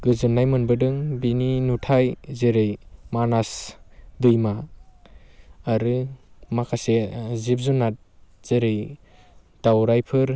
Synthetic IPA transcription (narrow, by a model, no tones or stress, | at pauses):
ɡ̥ɯzɯnːajmɯnbɯdɯŋbininutʰajzeɾɯjmanasdɯjma | ɾɯmakʰasezip̚zunːat̚z̥eɾɯj | d̥awɾajpʰɯɾ